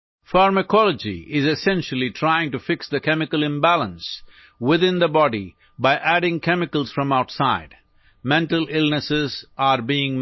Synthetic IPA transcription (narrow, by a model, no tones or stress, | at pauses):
faɾməkʰɔləd͡ʒḭʔɪzɨsɛ̃nʃəl̩ˠiʈʰɾaɪɪ̃ŋʈufɪksd̪əkɛmɪkəlɪ̃mbælə̃ns | wɪðɪ̃nd̪əbɔɖḭ | baɪʔæɖɪ̃ŋkʰɛmɪkəl̩ˠz̥fɾʌ̃maʊʈsaɪd | mɛ̃nʈəlɪlnəsɪzaɾbiɪ̃ŋ